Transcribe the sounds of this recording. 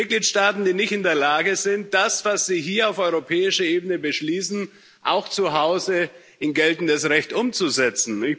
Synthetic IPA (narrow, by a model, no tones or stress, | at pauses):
t̚ɡ̥liːtʃtaːtn̩d̥iːnɪçtɪndeːɐlaːɡəzɪnt̚d̥asv̥asz̥iːɦiːɐaʊfɔʏʁopʰɛːɪʃəʔeːbənəbəʃliːsn̩ | ʔaʊxt͡suɦaʊzə | ʔɪnɡɛltn̩dəsʁɛçtʔʊmt͡suzɛt͡sn̩ɪç